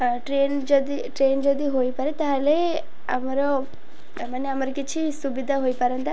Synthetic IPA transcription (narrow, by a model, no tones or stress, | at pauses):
ʈɾeːnd͡ʒɔd̪iʈɾeːnd͡ʒɔd̪iɦojpɐɾet̪aɦɐle | ɐ̰mɐɾo | manːeɐmɐɾɐkit͡ʃʰisubid̪ʱaɦojpɐɾɐnt̪a